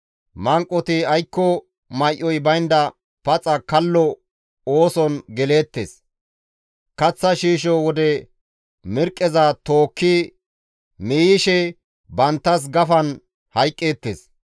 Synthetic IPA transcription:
mɐŋkʼːɔt̪ɪɐjkːɔ | mɐjʔɔjbɐjnd̪ɐ | pɐt͡sʼɐkɐlːɔ | oːsɔnɡɛle̞ːt̪ːḛs | kɐt͡sːɐʃiːʃ̬ɔwɔd̪ɛ | mɪɾkʼːɛzɐt̪o̞ːkːɪ | miːjɪʃɛ | bɐnt̪ːɐs̬ɡɐfɐn | hɐjkʼːe̞ːt̪ːḛːs

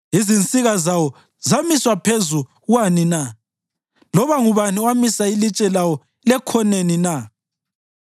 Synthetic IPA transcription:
izint͡sʼiɣazawɔ | zamiswapʰezu | wanina | lɔβaŋuβaniwamisailit͡ʃʼɛlawɔ | lɛkʰɔnenina

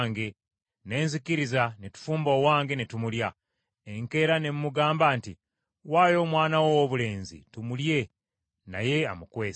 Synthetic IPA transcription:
ŋɡe̞ | ne̞ːnzikiɾizanetu̥fuːmbo̞ːwaːŋɡe̞netumulja | eŋke̞ːɾane̞mːuɡaːmbaːnti | waːjo̞ːmwaːnawoβule̞ːnzḭtumulje̞ | na̰je̞a̰mukwe̞ː

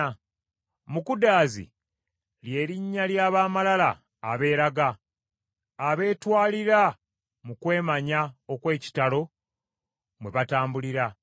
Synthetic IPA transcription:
mukudaːzḭ | lje̞ːɾiɲːaljaːβaːmalalaː | βe̞ːɾaɡa | βe̞ːtwaːliɾa | mukwe̞ːmaɲao̞kwe̞ːci̥talo̞ | mwe̞βataːmbuliɾa

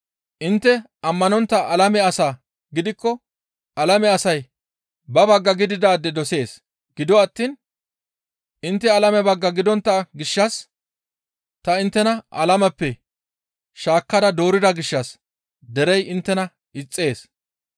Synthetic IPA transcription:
ʔɪnt̪ːɛ | ʔɐmːɐnɔnt̪ːɐʔɐlɐmɛɐsaː | ɡɪd̪ɪkːɔ | ʔɐlɐmɛɐsɐj | bɐbɐɡːɐɡɪd̪ɪd̪aːd̪ːɛd̪ɔse̞ːs | ɡ̥ɪd̪ɔɐt̪ːiːn | ʔɪnt̪ːɛɐlɐmɛbɐɡːɐɡɪd̪ɔnt̪ːɐɡɪʃːɐs | t̪ɐɪnt̪ːɛnɐʔɐ̰lɐmɐpːɛ | ʃaːkːɐd̪ɐd̪o̞ːɾɪd̪ɐɡɪʃːɐs | d̪ɛɾɛjɪnt̪ːɛnɐ | ɪt͡sʼːe̞ːs

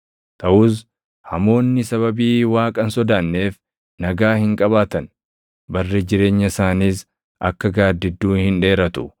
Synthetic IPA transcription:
t̪ɐʔʊːs̬ | hɐmo̞ːnːɪsɐβɐbiːwaːkʼɐnsɔd̪aːnːe̞ːf | nɐɡaːhɪŋkʼɐβaːt̪ɐn | bɐrːed͡ʒɪɾe̞ːɲːɐsaːniːs | ʔɐkːɐɡaːd̪ːɪd̪ːuːhɪnᶑe̞ːɾɐt̪ʊ̥

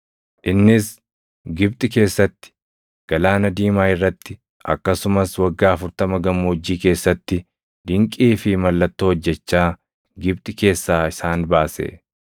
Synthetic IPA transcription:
ʔɪnːɪs | ɡɪb̚t̪ʼɪke̞ːsːɐt̪ːɪ̥ | ɡ̥ɐlaːnɐd̪iːmaːɪrːɐt̪ːɪ | ʔɐ̰kːɐsʊmɐswɐɡːaːɐfʊɾt̪ɐmɐɡɐmːoːd͡ʒːiːke̞ːsːɐt̪ːɪ | d̪ɪŋkʼiːfɪmɐlːɐt̪ːoːɔd͡ʒːɛt͡ʃːaː | ɡɪb̚t̪ʼɪke̞ːsːaːɪsaːnbaːsḛː

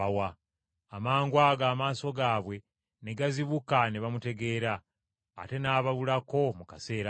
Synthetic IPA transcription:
awaː | maːŋɡwaɡaːmaːso̞ɡaːβwe̞ | ne̞ɡaziβukaneβamute̞ɡe̞ːɾa̰ː | te̞naːβaβulako̞mukase̞ːɾa

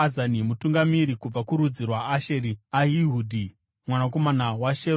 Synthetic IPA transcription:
azanimutuŋɡamiɾikub͡vakuɾud͡zirwaːʃeɾiaɦiɦuːdʱi | mwanako̞manawaʃe

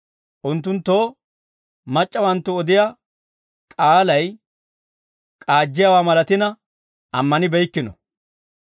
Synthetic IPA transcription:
ʔʊnt̪ːʊnt̪ːo̞ː | mɐt͡ʃʼːɐwɐnt̪ːʊɔd̪ɪja | kʼaːlɐj | kʼaːd͡ʒːɪjawaːmɐlɐt̪ɪnɐ | ɐmːɐnɪbɛjkːɪnɔ̰

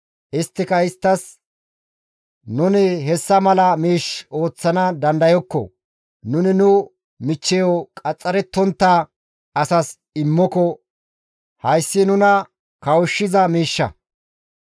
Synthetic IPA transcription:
ʔɪst̪ːɪkɐɪst̪ːɐs | nʊnɪɦɛsːɐmɐlɐmiːʃo̞ːt͡sːɐnɐd̪ɐnd̪ɐjɔkːɔ̰ | nʊnɪnʊ | mɪt͡ʃːɛjɔkʼɐt͡sʼːɐɾɛt̪ːɔnt̪ːa | ɐsɐs | ɪmːɔkɔ | hɐjsːɪnʊnɐ | kɐwʊʃːɪzɐmiːʃːɐ̰

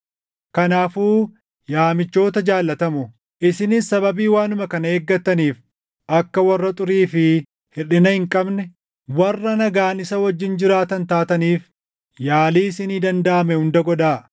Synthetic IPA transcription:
kɐnaːfuː | jaːmɪt͡ʃːo̞ːt̪ɐd͡ʒaːlːɐt̪ɐmʊ | ʔɪsɪnɪssɐbɐbiːwaːnʊmɐkɐnɐeːɡːɐt̪ːɐniːf | ʔɐkːɐwɐrːɐt̪ʼʊɾiːfɪ | hɪᶑɪnɐhɪŋkʼɐbnɛ | wɐrːɐnɐɡaːnɪsɐwɐd͡ʒːɪnd͡ʒɪɾaːt̪ɐnt̪aːt̪ɐniːf | jaːliːsɪniːd̪ɐnd̪ɐʔɐmɛhʊnd̪ɐɡɔᶑaː

